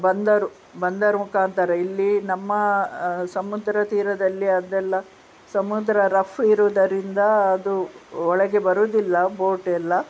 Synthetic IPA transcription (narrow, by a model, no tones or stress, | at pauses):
bɐnd̪ɐɾu | bɐnd̪ɐɾumukaːnt̪ɐɾɐilːinɐmːɐsɐmud̪ɾɐt̪iːɾɐd̪ɐlːiɐd̪ɛlːɐ | sɐmud̪ɾɐɾɐfʰɾuːd̪ɐɾind̪ɐːd̪uɔɭɐɡe̞bɐɾuːd̪ilːɐboːʈɛlːɐ